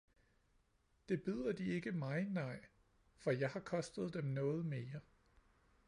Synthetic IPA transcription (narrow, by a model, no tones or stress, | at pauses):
d̥e̝b̥yð̰ˠɐd̥ie̝ɡ̥əmɑ̈ɪnɑ̈ɪ̰ | fɒ̽jɑ̈ɪhɑ̈kʰɒ̽sd̥əð̞̩ˠd̥emnɔ̽ːð̞̩ˠme̝ːɐ